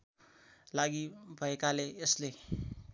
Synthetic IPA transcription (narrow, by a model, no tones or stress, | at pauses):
laɡibʱʌekaleesle